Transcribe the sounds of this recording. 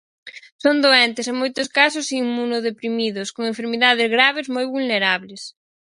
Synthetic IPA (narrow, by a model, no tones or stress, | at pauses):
sond̪oent̪eseŋmojt̪ʊskasʊsiŋmunʊðepɾimiðʊskoŋeɱfeɾmiðað̞ɪzɣɾaβ̞ezmojβulneɾaβles